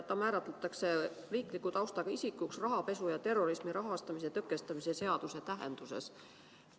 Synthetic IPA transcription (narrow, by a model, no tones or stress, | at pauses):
t̪ːˑɑmæːɾɑt̪ˑlet̪ːˑɑkse̞ | riːklikːˑut̪ɑwst̪ɑɡ̥ɑisikːˑuksrɑɦɑpe̞sujɑt̪e̞rːo̞ɾismiɾɑɦɑst̪ɑmis̬et̪ɤkːˑe̞st̪ɑmise̞se̞ɑd̪̥use̞t̪æɦḛnd̪̥use̞̰s